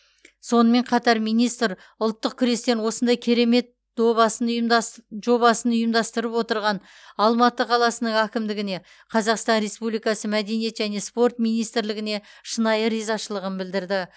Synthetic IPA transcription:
so̞nəme̞ɴqʰɑt̪ɑɾmijnijst̪ɾ | ʊlˠt̪ːəq̚kʲʰʏɾe̞st̪e̞nwo̞sənd̪ɑjkʲʰe̞ɾe̞me̞t̪ː | obɑsənjʒo̞bɑsənʊjəmd̪ɑst̪əɾəpwo̞t̪əɾʁɑn | ɑlˠmɑt̪əqʰɑlˠɑsənəɴækʲɪmd̪ɪɡʲɪne̞ | qʰɑzɑqst̪ɑnɾe̞spublijkɑsəmæd̪e̞nije̞t̪ʒæne̞spo̞rt̪mijnijst̪ɪɾlɪɡʲɪne̞ʃənɑjəɾijzɑʃəlˠəʁənbɪld̪ɪɾd̪ɪ

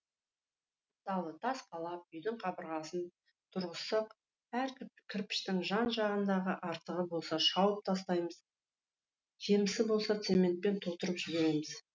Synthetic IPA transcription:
d̪ɑlˠət̪ʰɑsqʰɑlˠɑp̚ʏjd̪ɪŋqʰɑbəɾʁɑsən | t̪ʰʊɾʁəsɑq | æɾkʲʰɪɾpɪ̥ʃt̪ɪŋʒɑnʒɑʁənd̪ɑʁəʔɑɾt̪əʁəbo̞lˠsɑʃɑwəp̚t̪ʰɑs̬t̪ɑjməz | ʒe̞mɪsɪbo̞lˠsɑt̪se̞me̞nt̪̚pe̞nt̪ʰo̞t̪əɾəpʒɪbe̞ɾe̞mɪz̥

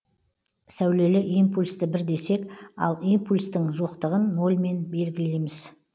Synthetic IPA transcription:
sæwle̞lɪʔijmpulʲst̪əbɪɾd̪e̞se̞kɑ̰lˠimpulʲst̪əŋʒo̞qt̪əʁənːo̞lʲˠme̞nbe̞lɡʲɪle̞jmɪz

